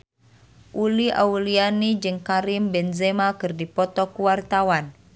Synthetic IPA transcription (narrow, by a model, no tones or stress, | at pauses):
ʔuliʔa̰ulianid͡ʒɨŋkaɾimbɛnzɛmakɨrdipɔt̪ɔkuwart̪awan